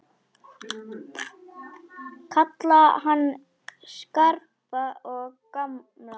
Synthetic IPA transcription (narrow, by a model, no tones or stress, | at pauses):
kʰat̪lahan | skaɾpaɔkam | la